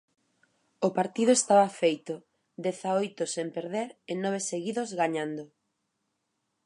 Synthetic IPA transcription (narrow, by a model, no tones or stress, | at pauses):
opaɾt̪iðʊest̪aβɐafejt̪ʊ | d̪ɛθaojt̪ʊsempeɾðeɾenɔβ̞eseɣiðozɣaɲand̪o